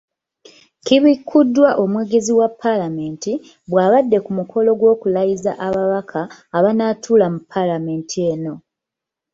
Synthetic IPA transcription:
kiβikʰːudːwaʔo̞mwe̞ːɡe̞ziwapʰːalame̞ːnti | βwaːβadːe̞kumukʰo̞lo̞ɡwo̞ːkulajiza̰ʔaβaβakʰaːβanaːtʰuːlamupʰːalame̞ːntʰieno̞

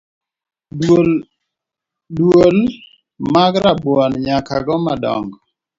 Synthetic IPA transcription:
dwol | maɡɾabɔnɲakaɡɔmadɔ̰ŋɡ

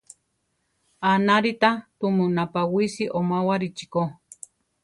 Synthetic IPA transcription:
anaɾit̪at̪umunapawisiʔomawaɾit͡ʃi̥ko

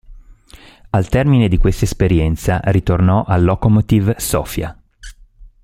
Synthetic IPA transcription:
alt̪ɛrmined̪ikwest̪aespeɾjɛnt̪sarit̪ornɔʔalːokomot̪ivsɔ̰ːfja̰

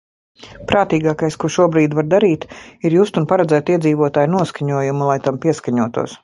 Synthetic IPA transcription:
pɾaːt̪iːɡaːkajskuʃuɔbɾiːd̪vaɾd̪aɾiːt̪iɾjuːst̪unpaɾɛd̪zæːt̪iɛd̪ziːvuɔt̪aːjnuɔskaɲuɔjumulˠajt̪ampiɛskaɲuɔt̪ṵɔs

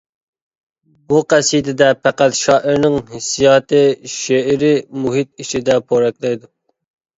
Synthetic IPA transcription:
buqʰæsijt̪ɪd̪ɛpʰæqæt̪ʃɑːʔiɾnɪŋhɪsijɑːt̪ʰɨʃeɪɾɪmuɦit̪̚it͡ʃid̪ɛpʰoɾɛkʲlˠɛjd̪u

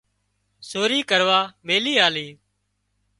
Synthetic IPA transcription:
soːɾiːkəɾʋaːmeːliːaːliː

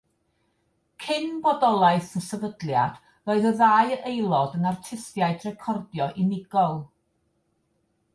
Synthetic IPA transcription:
kʰɪnbɔdɔlˠaɨθənsəvədlˠjad̥ | roːɨðəðaːɨʔejlˠɔdənartʰɪsjaɨdrɛkʰɔrdjɔʔinɪɡɔlˠ

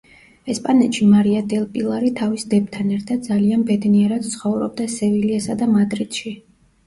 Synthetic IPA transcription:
ɛspʼanɛt̪ʃimaɾiad̪ɛlˠpʼilˠaɾit̪ʰavisd̪ɛb̚t̪ʰanɛɾt̪ʰad̪̚d̪zalianbɛd̪niɛɾad̪̥t̪sʰχɔvɾɔ̰b̚d̪asɛviliasad̪amad̪ɾid̪̥ʃi

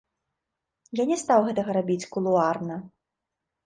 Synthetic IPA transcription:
janʲɛst̪awɣɛt̪ɐɣɐɾabʲit͡sʲkulˠuarnɐ

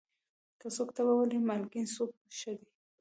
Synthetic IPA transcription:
kəsokt̪awawəlimalɡinsok̚ʃəd̪i

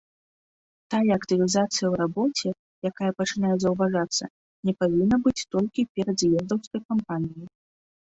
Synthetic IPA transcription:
t̪ajɐːkt̪ɨvʲizat̪sɨjɐwɾabɔt͡sʲɛ | jakajɐpɐt͡ʂɨnajɛzɐwvaʐat̪sːɐ̰ | nʲɛpavʲinːɐbɨt͡sʲt̪ɔlʲkʲipʲɛɾɐd̪jɛzd̪ɐwskɐjkampanʲiji

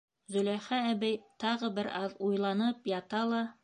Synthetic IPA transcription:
zɵ̆læχæːbæjt̪ɑʁɤbɘɾɑðujlˠɑnɤpjɑt̪ɑlˠɑ

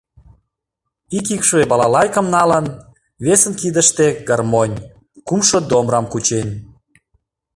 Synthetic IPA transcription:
ikikʃβebɑlɑlɑjkə̆mnɑlən | βesənkid̪əʃt̪eɡɑrmonʲ | kumʃod̪omrɑmkut͡ɕenʲ

